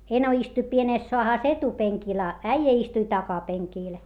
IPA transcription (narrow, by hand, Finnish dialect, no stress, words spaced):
eno istuĭ pieneˑs soɑhɑˑs etupeŋkil ɑ æijæ istui tɑkɑpeŋkiːl